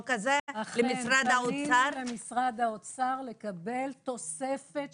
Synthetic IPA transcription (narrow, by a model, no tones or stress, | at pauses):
kazeaχlemisʁad̪haoit͡saɾemisʁad̪haot͡saʁle̞kabe̞lt̪o̞se̞fet